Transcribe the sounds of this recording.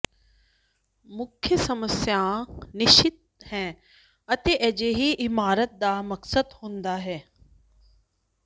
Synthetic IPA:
mʊkʰjəsɐməsjaːnɪʃɪt̪̚hɛ̃ː | ɐt̪eʔɛd͡ʒeɦiʔɪmaːɾət̪̚d̪aːmɐksəd̪hõːnd̪aːɦɛː

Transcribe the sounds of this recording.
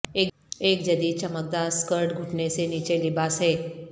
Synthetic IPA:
e | ek̚d͡ʒəd̪iːt͡ɕəmək̚d̪askəɾʈɡʱuʈʰnesenit͡ʃelibasɦe

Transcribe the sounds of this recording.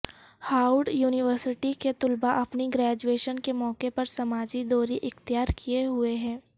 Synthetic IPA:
haːʊɾɖjuːnɪʋəɾsɪʈiket̪ʊlbaʔɐpniɡɾɛːd͡ʒueːʃənkemɔːkepɐɾsɐmaːd͡ʒid̪ɔːɾiʔɪxt̪ijaːɾkʰijeɦʊeɦɛ̃ː

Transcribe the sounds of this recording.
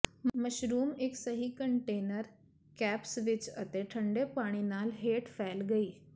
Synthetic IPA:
məɕɾuːmeksəɦiːkəɳʈenəɾ | kæpsʋit͡ɕə̰t̪eʈʰəɳɖepaɽ̃inalɦeʈfælɡəiː

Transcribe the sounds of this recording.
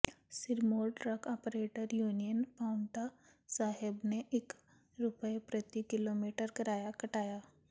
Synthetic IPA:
siɾmolʈɾəkɔpɾeʈəɾjunijənpauɳʈa | saɦebneʔek | ɾupəjepɾət̪ikilomiʈəɾkəɾajakəʈaja

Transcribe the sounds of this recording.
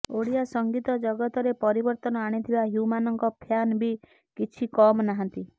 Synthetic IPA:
oɽiasɔŋɡit̪ɔd͡ʒɔɡɔt̪ɔɾepɔɾibɔɾt̪ɔnɔaɽ̃it̪ʰibaɦjumanɔŋkɔpʰjanbi | kit͡ʃʰikɔmnaɦãnt̪i

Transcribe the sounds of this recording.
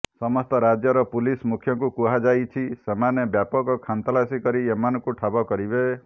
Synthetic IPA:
sɔmɔst̪ɔɾad͡ʒjɔɾɔpulismukʰjɔŋkukuɦad͡ʒajt͡ʃʰisemanebjapɔkɔkʰant̪ɔlasikɔɾiemanɔkuʈʰabɔkɔɾibe

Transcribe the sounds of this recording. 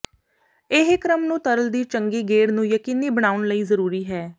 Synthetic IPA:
ɪɦkɾəmnũːt̪əɾəld̪iːt͡ʃəŋɡiːɡeːɽnũːjəkiːniːbəɽ̃aːʊɳləiːzəɾuːɾiːɦɛː

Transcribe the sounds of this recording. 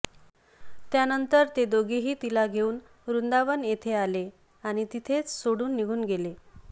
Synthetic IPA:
t̪janənt̪əɾt̪ed̪oɡeɦiːt̪ilaɡʱeuːn | ɾund̪aʋənjet̪ʰeale | aɽ̃it̪it̪ʰet͡ssoɽuːnːiɡʱuːnɡele

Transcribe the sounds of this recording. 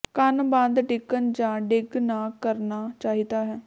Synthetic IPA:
kənbãːnd̪ɖɪkːənd͡ʒãːɖɪɡnaːkəɾnaːt͡ʃaːɦiːt̪aːɦɛː

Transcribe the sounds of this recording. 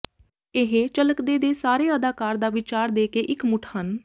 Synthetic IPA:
ɪɦet͡ʃələkd̪eːd̪eːsaːɾeːəd̪aːkaːɾd̪aːʋɪt͡ʃaːɾd̪eːkeːʔɪkmʊʈʰhən

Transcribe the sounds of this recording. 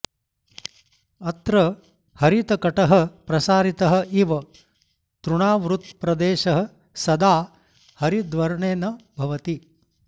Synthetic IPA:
ɐt̪ɾɐ | hɐɾit̪ɐkɐʈɐɦɐ̆pɾɐsaːɾit̪ɐɦɐ̆ʔiʋɐ | t̪ɾuɳaːʋɾut̪pɾɐd̪eːʃɐɦɐ̆ | sɐd̪aː | hɐɾid̪ʋɐɾɳeːnɐbʱɐʋɐt̪i

